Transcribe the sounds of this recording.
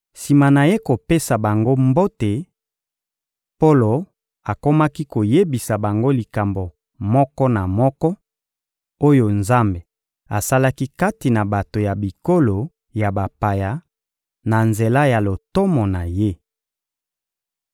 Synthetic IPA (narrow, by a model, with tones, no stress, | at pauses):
si˨ma˨na˨je˦ko˨pe˦sa˨ba˨ŋɡo˦mbo˦te˨ | po˦lo˨ | a˨ko˦ma˦ki˦ko˨je˦bi˨sa˨ba˨ŋɡo˦li˨ka˨mbo˨ | mɔ˦kɔ˦na˨mɔ˦kɔ˦ | o˦jo˨nza˦mbe˨ | a˨sa˦la˦ki˦ka˦ti˨na˨ba˨to˨ja˨bi˨ko˦lo˨ | ja˨ba˨pa˨ja˨˦ | na˨nze˨la˦ja˨lo˨tɔ˦mɔ˨na˨je˦